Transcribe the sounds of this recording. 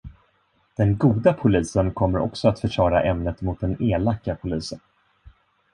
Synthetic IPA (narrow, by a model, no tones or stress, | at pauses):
d̪̥ɛnɡuːd̪apʰʊliːsənkʰɔmːəɾʔɔ̰ksɔat̪fœʂɑːɾa̰ʔɛmnət̪mʊt̪̚d̪ɛneːlakːapʰʊliːsən